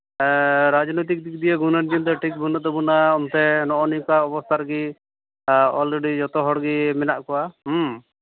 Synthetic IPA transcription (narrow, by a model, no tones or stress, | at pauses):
ɾad͡ʒnɔjt̪̬ik̚d̪ik̚d̪ijəɡunəɾd͡ʒind̪ɔʈʰik̚bʱunɔd̪ɔbunaɔmt̪ɛnɔʔɔnijkaɔbɔst̪ʰaɾɡi | ɔlɾeɖid͡ʒɔt̪ɔɦɔɽɡimɛnaʔkɔwaɦ